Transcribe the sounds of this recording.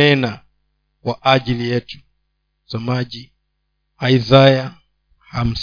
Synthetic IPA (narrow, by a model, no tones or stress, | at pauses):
ɛna | kwaʔaʄilijɛtu̥ | samaʄi | aizaja | ham̩s